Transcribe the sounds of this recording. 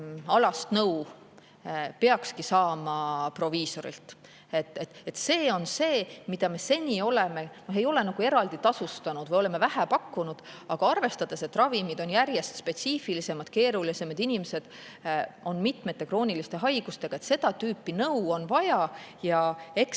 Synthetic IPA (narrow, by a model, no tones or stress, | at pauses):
ɑlɑst̪nɤw | peɑkskisɑːmɑpro̞viːso̞ɾḭlt̪ | e̞t̪ːˑet̪et̪ːse̞ːo̞nse̞ːmid̪̥ɑme̞se̞nʲio̞le̞me̞noɦe̞jo̞le̞nɑɡ̥ue̞ɾɑld̪it̪ɑsust̪ɑnud̪̥vɯjo̞le̞me̞væɦæpɑkːunud̪̥ɑɡ̥ɑɑrve̞st̪ɑd̪̥e̞se̞t̪ːrɑvimid̪̥o̞njærje̞st̪spe̞t̪siːfilise̞mɑd̪̥ke̞ːɾulise̞met̪inʲimese̞d̪̥ | o̞nmit̪me̞t̪ːe̞kro̞ːnʲilist̪e̞ɦɑjɡ̥ust̪e̞ɡ̥ɑe̞t̪se̞d̪̥ɑt̪yːpːˑinɤwo̞nvɑjɑjɑe̞k